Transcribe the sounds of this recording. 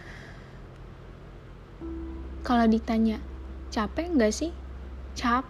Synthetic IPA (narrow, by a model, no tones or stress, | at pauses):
kaladit̪aɲat͡ʃapɛŋɡasɪht͡ʃa